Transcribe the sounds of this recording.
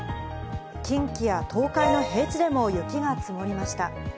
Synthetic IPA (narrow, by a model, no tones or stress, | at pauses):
kʲĩŋkʲijat̪ʰo̞ːkaino̞ɦe̞ːt͡ɕid̪e̞mo̞jɯ̟kʲiɡat͡sɨmo̞ɾʲimaɕi̥t̪a